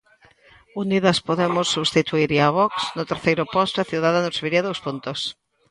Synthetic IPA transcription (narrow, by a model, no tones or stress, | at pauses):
uniðɐspoðemʊsːuβst̪it̪uiɾiaβɔksnʊt̪eɾθejɾʊpɔst̪ɐθjuwðaðanoseβiɾiɐðowspunt̪os